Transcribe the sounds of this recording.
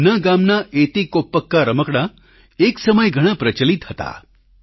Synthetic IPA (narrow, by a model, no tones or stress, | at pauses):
naɡamnaʔet̪ikopːəkːaɾəməkɽ̃a | eksəməjɡʱəɽ̃ãpɾət͡ʃəlit̪ɦət̪a̰